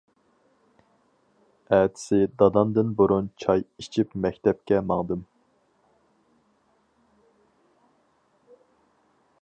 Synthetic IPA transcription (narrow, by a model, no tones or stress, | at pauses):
æːt̪ʰɪ̥sɪd̪ɑd̪ɑnd̪ɨnbuɾunt͡ʃʰɑjit͡ʃʰipmɛkʲt̪ʰɛp̚kʲɛmɑŋd̪ɨm